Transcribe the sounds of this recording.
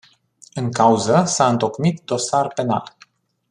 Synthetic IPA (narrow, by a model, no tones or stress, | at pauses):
ɨŋkauzəsaɨnt̪o̞kmit̪̚d̪o̞sarpe̞na̰l